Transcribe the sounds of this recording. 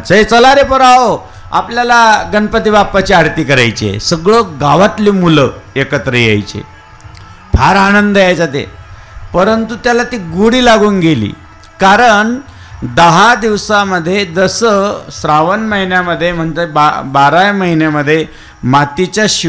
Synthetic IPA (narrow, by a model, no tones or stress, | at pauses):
t͡səɦet͡səlaɾepəɾaɦo | a̰pljalaɡənpət̪iʋapat͡ɕiaɾt̪iːkəɾajt͡ɕḛsəɡɭəɡaʋat̪liːmuləekət̪ɾəjḛjt͡ɕḛ | pʰaɾanənd̪ʱəjajt͡sat̪̬ḛ | pəɾənt̪ut̪jalat̪iːɡuɽiːlaɡuːnɡelḭː | kaɾəɳ | d̪əɦad̪iʋsaməd̪ʱːjed̪əsəsɾaʋənməɦinjaməd̪ʱːjem̤əɳd͡zebabaɾajməɦinjaməd̪ʱːje | mat̪it͡ɕjaɕ